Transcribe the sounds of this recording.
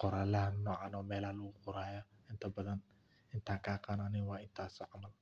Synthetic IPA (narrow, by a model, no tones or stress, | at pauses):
qɔɾaːlɐhɐnnɔːʕanɔːmɛːlaːlɣʊqʊɾaːjɐɪnt̪ʰɐbɐðɐn | ɪnt̪ʰaːŋkʰaːqɑːnanɪnwaːɪnt̪ʰaːsɔːʕamɐl